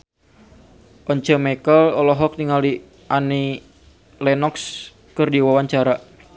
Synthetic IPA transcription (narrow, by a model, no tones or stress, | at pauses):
ʔɔɲt͡ʃəmɛkəlɔlɔɦɔk̚niŋali | ʔani | lɛnɔks | kərdiwawaɲt͡ʃaɾa